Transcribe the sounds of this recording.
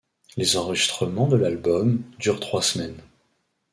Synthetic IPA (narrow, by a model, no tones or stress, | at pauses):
lezɑ̃ʁəʒist̪χəmɑ̃d̪əlalbɔmd̪yʁt̪χwasmɛn